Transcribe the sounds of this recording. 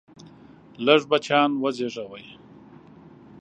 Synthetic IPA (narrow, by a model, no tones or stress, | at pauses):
ləʐbat͡ʃɑːnwəzeʐawaj